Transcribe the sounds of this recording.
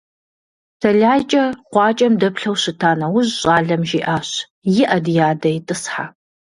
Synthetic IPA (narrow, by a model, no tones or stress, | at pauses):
tʰɐɮaːt͡ʃʼɐqʷɑːt͡ʃʼɐmdɐpɬɐwɕɪtʰaːnɐwʊʑɕʼaːɮɐmʒiːʔaːɕ | jɪʔɐdjaːdɐjtʼɨsħa